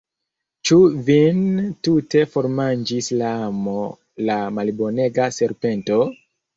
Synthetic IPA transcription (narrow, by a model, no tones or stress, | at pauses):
t͡ʃuvintute̞fo̞ɾmand͡ʒislaamo | lamalbo̞ne̞ɡase̞ɾpe̞nto̞